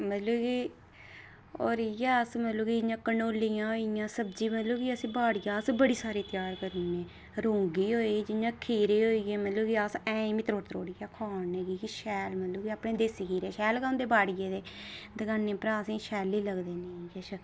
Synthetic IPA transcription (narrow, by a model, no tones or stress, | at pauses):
mət̪ləːkiː | o̰ːɾijaːəsmət̪loːkid͡ʒɪjãːkənoːlːijãːɦoːijãːsəbd͡ʒiːmət̪ləːkiːəsĩːbaːɽɪjãːəsbəɽiːsaːɾeːt̪jaːɾkəɾnẽː | ɾõːŋɡiːɦoːiɡiːd͡ʒɪjãːkʰiːɾeːɦoːiːɡeːmət̪ləːkiəsɛ̃ːmit̪ɾoːʈt̪ɾoːɽiːjaːkʰaːneːɡiːkiʃɛːlmət̪loːkiːaːpɳẽːd̪eskiːɾeːʃɛːlkãːnd̪eːbaːɽɪjeːd̪eːd̪əɡanẽːpɾaːsĩːʃɛːliːləɡd̪eːneːjeːt͡ʃʰə